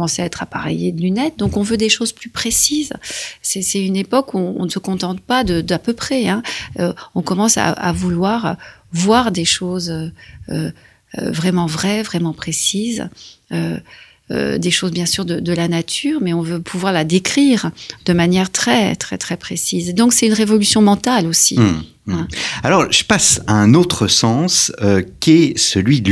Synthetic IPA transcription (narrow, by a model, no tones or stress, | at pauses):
mɑ̃seaɛt̪χapaʁḛjed̪əlynɛt̪̚d̪ɔ̃kɔ̃vød̪eʃozplypχesizsɛsɛynepɔkuɔ̃ɔ̰̃nsəkɔ̃t̪ɑ̃t̪pad̪əd̪apøpχɛɛ̃øɔ̃kɔmɑ̃sa̰a̰vulwaʁvwaʁd̪eʃozøø̰ | vʁɛmɑ̃vʁɛvʁɛmɑ̃pχesizø | ø̰d̪eʃozbjɛ̃syʁd̪əd̪əlanat̪ʰyːʁmɛɔ̃vøpʰuvwaʁlad̪ekχiʁd̪̥əmanjɛʁt̪χɛt̪χɛt̪χɛpχesizd̪ɔ̃ksɛt̪ynʁevɔlysjɔ̃mɑ̃t̪alosi | ɛ̃alɔʁʒəpasaɛ̃not̪χəsɑ̃søkʲiɛsəlɥi